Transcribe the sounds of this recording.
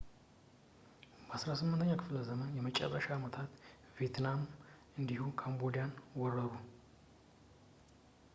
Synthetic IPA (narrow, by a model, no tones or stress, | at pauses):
bəasɾasɨmːɨnt̪ʰəɲːakʰɨfləzəmənjɛmət͡ʃʼɛ̰rːə̰ʃaːmət̪ʰat̪ | vijet̪ʰnam | ɨnd̪ihukʰambod̪ijanwɔrəɾu